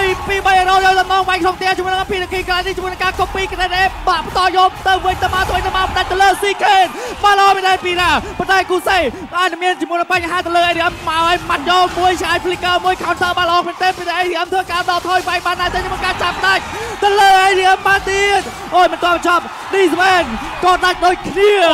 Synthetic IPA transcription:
ipiːɓəjʔəːɾoːjɔːɗɑmnɑːŋʋaɛŋkʰloŋt̪ɛəht͡ɕɔmuənɨŋʔapiːɗekʰiːkəlajniht͡ɕɔmuənɨŋkaːkoŋpiːkət̪ɛɗeːɓaʔpət̪ɑːjɔːt̪ɨwʋɨɲt̪əmaːt̪ʰoːəjt̪əmawpəɗac̚t̪ɨəwləːsiːkʰeːt̪̚ɓaləʔɑːmiənt̪ɛːpiːnaːpont̪aɛkuːseː | ʔaːc̚nɨŋmiənt͡ɕmuənɨpaɲɦaːt̪ɨəwləːʔaɗiʔəmːaɔʔəmat̪̚jɔːmuəjt͡ɕʰŋaːjpʰlikəːmuəjkʰaɔnsʰəːɓatləʔɔːkʰmiənt̪eːpənɛʔajɗiʔəmt̪ʰəːkaːɗɑt̪ʰɔːjʋaɛk̚ɓaːnɗat̪iəmuəŋkaːt͡ɕat̪̚pːəɗac̚t̪ɨwləːʔajɗiʔəmːaːt̪iət̪̚ | ʔoːjmənt̪ɔəpɓɑɲt͡ɕɑp̚ | ɗiːsmʔɛːn | kɑːɗac̚ɗoːc̚kʰniə

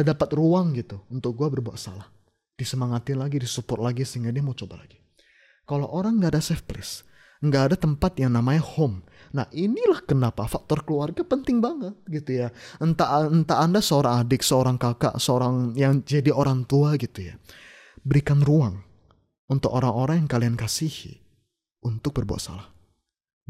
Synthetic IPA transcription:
dadapat̪ruaŋɡit̪uunt̪ʊk̚ɡuabərbua̰sa̰lah | d̥isəmaŋat̪ɪnlaɡidisupʊt̪̚laɡisəiŋɡadiamat͡ʃobala̰ɡi | kaloʔoɾaŋɡaːdasɛfplɛ̰s | ŋɡaːdat̪əmpat̪̚jaŋnamaɲahom | nahʔinilahkənapafak̚t̪ɔrkəluarɡapənt̪ɪŋbaŋət̪̚ɡit̪ujaənt̪aʔnt̪aːndasəoɾaŋadɪksəoɾaŋkaka̰ʔsəoɾaŋjaŋd͡ʒadioɾaŋt̪uaɡit̪uja | bəɾikanruaŋ | unt̪ʊkoɾaŋoɾaŋjaŋkaliankasihḭ | unt̪ʊk̚bərbua̰t̪̚sa̰lah

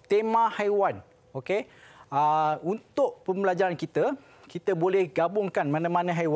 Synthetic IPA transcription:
t̪emãhajwan | oke | əunt̪ʊʔpəmbəlad͡ʒaɾankit̪ə | kit̪əbolɛhɡabʊŋkanmãnãmãnãɦajwa

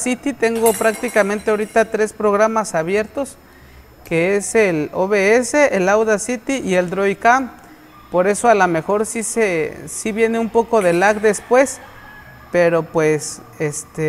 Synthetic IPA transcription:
sit̪it̪eŋɡopɾak̚t̪ikament̪eoɾit̪at̪ɾespɾoɣɾamasaβjeɾt̪os | keeseloβeeseʔːlawðasit̪iʔield̪ɾojkam | poɾe̞soalamexoɾsisesiβjeneumpokoðelakd̪espwes | peɾopwes | est̪e

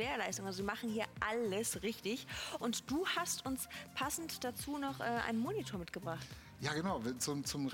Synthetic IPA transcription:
eːɐlaɪstʊŋalzoziːmaχn̩hiːɐʔaləsʁɪçtɪçʔʊntd̥uːhastʊnspʰasn̩td̥at͡suːnɔχʔɛːʔa̰ɪnnmoːnitʰoːɐmɪt̚ɡ̥əbʁaχt | jaːɡənaʊvt͡sʊmt͡sʊm

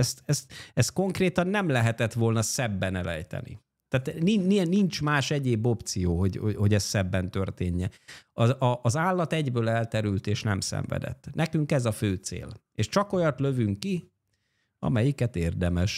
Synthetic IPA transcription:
ɛst̪ɛst̪ɛsko̞ŋkreːt̪ɒnːɛmlɛɦɛt̪ɛt̪ʋo̞lnɒsɛbːɛnɛlɛ̰jt̪ɛ̰nḭ | t̪aːt̪nininint͡ʃmaːʃɛɟeːbo̞pt̪sijoːɦoɟoho̞ɟɛst̪sɛbːɛnt̪ørt̪eːɲːɛɒɒʔːzaːlːɒt̪ɛɟbøːlɛlt̪ɛɾylt̪eːʃnɛ̰msɛ̰ɱvɛ̰d̪ɛ̰t̪ːnʔɛkyŋkɛzɒføːt̪sḛːl | eːʃt͡ʃɒko̞jɒt̪lø̞vyŋkːi | ɒ̰mɛjikɛt̪eːrd̪ɛmɛʃ

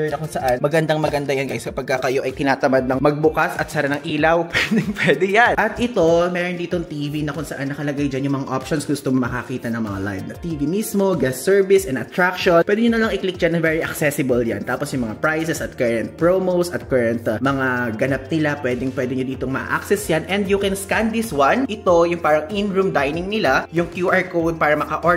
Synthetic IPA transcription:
ɛɹnɐkʊŋsɐʔanmɐɡɐnd̪aŋmɐɡɐnd̪ajankajskɐpɐɡ̚kɐkɐjo̞ʔɐjt̪ɪnaːt̪ɐmad̪̚nɐŋmɐɡ̚bʊkasʔɐt̪̚saɾɐnɐŋʔiːlɐwpwɛd̪ɛŋpwɛːd̪ɛjanʔɐt̪ʔɪt̪o̞mɛːɾond̪iːt̪oŋt̪iːvinɐkʊŋsɐʔanːɐkɐlɐɡajd͡ʒanjʊŋmɐŋaʔopʃonsɡʊst̪oŋmɐkɐkiːt̪ɐnɐŋmɐŋa̰la̰jvnɐt̪iːvimismoɡɛsːɛɹvɪsʔɛnd̪ɐt̪ɾakʃonpwʔɛːd̪ɪɲonɐlɐŋʔɪklik̚d͡ʒanɐvɛːɹiʔɐ̰ksɛsɪbɐlja̰nt̪aːposjʊŋmɐŋapɹajsɛsɐt̪̚kɛɹɐnt̪̚pɹomowsɐt̪̚kɐɹɐnt̪mɐŋaɡɐnap̚nɪlapwɛd̪ɪŋpwɛːd̪ɪɲod̪iːt̪oŋmɐʔa̰ʔa̰ksɛsjanʔɛnd̪jʊkɛnskand̪d̪iswanʔɪt̪ojʊŋpaːɾɐŋʔɪnɹumd̪ajnɪŋnɪlajʊŋkjuʔaɹkow̪̚paːɾɐmɐkɐʔo

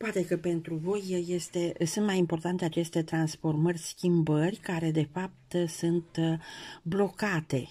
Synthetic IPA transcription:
poat̪e̞kəpe̞nt̪ɾuvo̞jje̞st̪e̞sunt̪majimpo̞rt̪ant̪e̞at͡ʃe̞st̪e̞t̪ɾansfo̞rmərʲskʲimbərʲkaɾe̞d̪e̞fap̚t̪sunt̪ | blo̞kat̪e̞

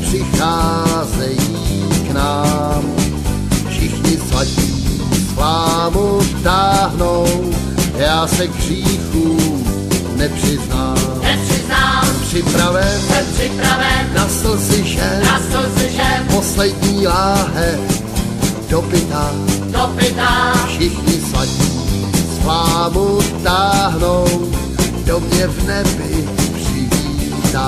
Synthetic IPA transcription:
pr̥ɪxaːzɛjiː | knaːm | fʃɪxɲɪsvaciː | slaːmut̪aːɦnow | jaːsɛɡr̝iːxuː | nɛpr̝̥ɪznaː | rɪzaːsɛmpr̥ɪpɾavɛnsɛpɪpɾavɛnasl̩sɪʃɛasl̩sɪʃɛposlɛdɲiːlaːɦɛ | d̥opɪt̪a | dopɪt̪afʃɪxɲɪslaciː | splaːmut̪aːɦnow | domɲɛvnɛbɪpr̥ɪviː | t̪a

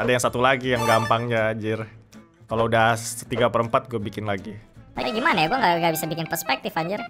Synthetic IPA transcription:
adajaŋsat̪ulaɡijaŋɡampaŋɲaːd͡ʒɪr | kaloudasə̥t̪iɡapəɾəmpat̪̚ɡuabikɪnlaɡit̪aiɡimanajaɡuaŋɡaɡaʔbisabikɪnpərspɛk̚t̪ɪfaɲd͡ʒɪr

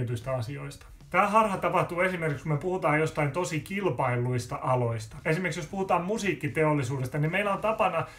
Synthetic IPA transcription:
it̪yist̪æɑsioist̪ɑ̥ | t̪æːhɑrhɑt̪ɑpɑht̪uːesimerkikskumepuhut̪ɑːjjost̪ɑint̪osikilpɑilːˑuist̪ɑʔɑloist̪ɑ̥esimerksjospuhut̪ɑːmmusiːkːit̪eolːisuːdest̪ɑnimeilːˑæont̪ɑpɑnɑ

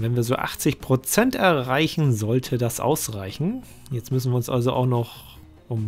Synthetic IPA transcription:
vɛnviːɐzoːʔa̰χt͡sɪçpʁ̥ot͡sɛntɛɐʁaɪçn̩zɔltʰədasʔa̰ʊsʁaɪçn̩ | jɛt͡stmʏsn̩viːɐʊnsʔa̰lzoʔa̰ʊxnɔχ | ʔʊm

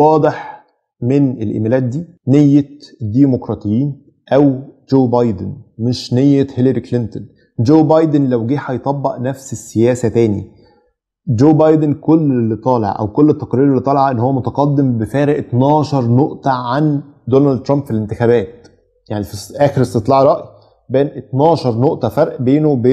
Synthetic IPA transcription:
wɑːd̪ˤeħ | menʔelʔḛmæːlæːt̪̚d̪iː | nejːed̪ːiːmokɾˤɑːt̪ˤejːiːn | ʔæwd͡ʒoːbɑjd̪enmeʃnejːehelæɾiklent̪on | d͡ʒoːbɑjd̪enlæwɡiːħɑjet̪ˤɑbːɑʔnæfsesːejæːsæt̪æːnḭ | d͡ʒoːbɑjd̪enkolːelːit̪ˤɑːlḛʕʔæ̰wkolːet̪ːɑ̥qɾiːɾelːit̪ˤɑlɑʕɑʔenːhowːæmot̪ɑqɑd̪ːembefæːɾeʔt̪nɑːʃɑɾˤnoʔt̪ɑʕand̪onæld̪̚t̪ɾˤɑmbfilent̪ɪxæbæːt̪̚ | jaʕnifisʔæːxeɾest̪et̪ˤlɑʕɾˤɑʔji | bæːnʔet̪nɑːʃɑɾˤnoʔt̪ɑfɑɾˤʔbeːnowbeː

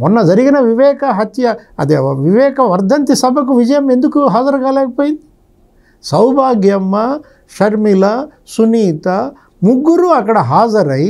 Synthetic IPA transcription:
mɔnːɐd͡ʒɐɾiɡɐnɐʋiʋɛːkɐɦɐt̪jɐɐ̰d̪eʋiʋɛːkɐʋɐɾd̪ʱɐnt̪isɐbʱɐkuʋid͡ʒɐjɐmːend̪ukːuɦaːd͡ʒɐɾɐkaːleːɡipoːjit̪i̥ | sɐwbʱaːɡjɐmːɐ | ʃɐɾmilɐ | suniːt̪ɐ | muɡːuɾuɐkɐɽɐɦaːzɐɾɐj

